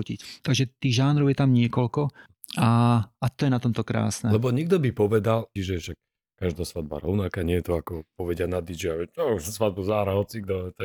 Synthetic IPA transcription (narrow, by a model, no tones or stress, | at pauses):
ucḭct̪aɡʒɛt̪iːɣʒaːnɾɔʊjɛt̪amɲɪɛkɔlkɔ | aat̪ɔjɛnat̪ɔmt̪ɔkɾa̰ːsnɛlɛbɔɲɛɡ̚d̪ɔbipɔʋɛd̪alt͡ʃiʒɛʃak̚ | kaʒd̪aːsʋad̪̚ba̰ɾɔʊnakaɲɪɛjɛt̪ɔakɔpɔʋɛɟɪanad̪id͡ʒiaɛɔsʋad̪̚buzaːɦɾaɦɔt͡siɡd̪ɔt̪a